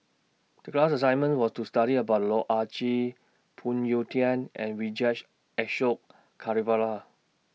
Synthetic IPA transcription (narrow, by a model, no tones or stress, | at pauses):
d̥əklasəsãɪ̃nmə̃nwɔstustaɾiəbaʊt̚lɔʔat͡ʃi | pʰũnjotiə̃nʔɛ̰̃nɹid͡ʒat͡ʃ | ɛʃok | kʰːaɹivala